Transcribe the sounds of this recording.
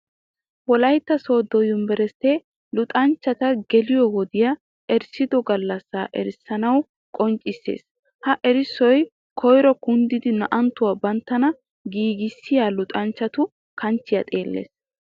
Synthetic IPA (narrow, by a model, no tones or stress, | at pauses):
wɔlɐjt̪ːɐsoːd̪ɔjʊmbɛɾɛst̪ːe | lʊt̪ʼɐnt͡ʃːɐt̪ɐɡɛlɪjɔwɔd̪ɪjɐ | ʔɛɾsɪd̪ɔɡɐlːɐsːaːʔɛɾɪsːɐnɐw | kʼɔnt͡ʃʼːɪsːḛːs | hɐʔɛɾɪsːɔj | kʰɔjɾɔkʊnd̪ɪd̪ɪnɐʔɐnt̪ːʊwabɐnt̪ːɐnɐ | ɡiːɡɪsːɪjalʊt̪ʼɐnt͡ʃːɐt̪ʊ | kɐnt͡ʃːɪjɐ̰t̪ʼeːlːḛːs